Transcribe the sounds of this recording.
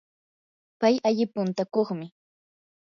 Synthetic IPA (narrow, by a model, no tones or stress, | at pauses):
pajaʎɪpʊnt̪akoχmɪ